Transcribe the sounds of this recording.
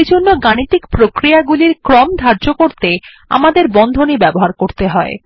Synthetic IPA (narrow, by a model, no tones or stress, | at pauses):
d͡ʑonːoɡanit̪ikpɾokɾijaɡuliɾkɾɔmd̪ʱaɾd͡ʑokoɾt̪e | a̰mad̪eɾbɔnd̪ʱonibɛboɦaɾkoɾt̪eɦɔe